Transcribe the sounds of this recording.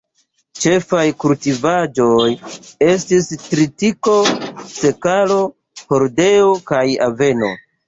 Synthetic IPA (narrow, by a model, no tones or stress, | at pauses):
t͡ʃe̞fajkultivad͡ʒo̞je̞stistɾitiko̞se̞kalo̞ | hoɾde̞okaja̰ve̞no̞̰